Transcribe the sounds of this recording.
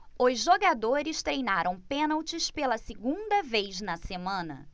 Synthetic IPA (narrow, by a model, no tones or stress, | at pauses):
ʊzʒoɡad̪oɾɪst̪ɾejnaɾʔɐ̃w̃pẽnawt͡ʃɪspelɐsɪɡũnd̪ɐvejznɐsemɐ̃nɐ̰